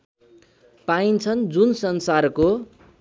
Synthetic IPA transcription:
paint͡sʰʌnd͡zunsʌnsarko

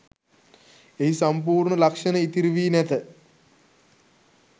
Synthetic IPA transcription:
eɦisamp̬uːrɳəlakʂɐnəit̪iɾiʋiːnæt̪ə

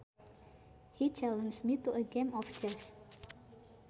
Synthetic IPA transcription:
hit͡ʃɛlə̃nd͡ʒmituəɡẽmɔfd͡ʒɛs

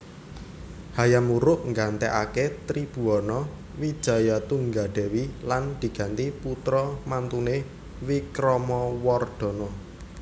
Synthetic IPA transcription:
hajamuɾʊʔŋɡant̪ɛʔaket̪ɾib̥ṳɔnɔ | wid̥ʒ̥ä̤jat̪uŋɡaɖ̪̥ɛ̤wiland̪̥i̤ɡ̥a̤nt̪iput̪ɾɔmant̪une | wikɾɔmɔwɔrd̪̥ɔ̤nɔ

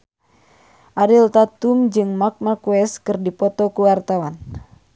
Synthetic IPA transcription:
ʔaɾilt̪at̪umd͡ʒɨŋmak̚makuɛskɨrdipɔt̪ɔkuwart̪awan

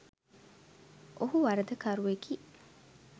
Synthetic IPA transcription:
ʔoɦuʋɐɾɐd̪ɐkɐɾuekiː

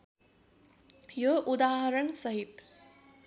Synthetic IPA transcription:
joʔud̪aːɦʌɾʌɳsʌɦit̪

